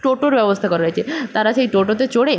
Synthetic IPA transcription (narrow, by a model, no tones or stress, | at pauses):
ʈoʈoɾʋjəʋəst̪ʰəkəɾajt͡ʃʰet̪aɾat͡ʃaiʈoʈot̪et͡ʃoɽe